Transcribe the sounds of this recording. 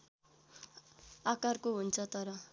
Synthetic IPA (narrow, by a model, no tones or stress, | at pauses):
akarkoɦunt͡sʰʌt̪ʌɾʌ